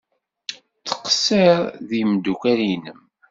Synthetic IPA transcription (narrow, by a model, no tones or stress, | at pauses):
t͡sːə̥qseɾˤðimd̪ukæɾinəm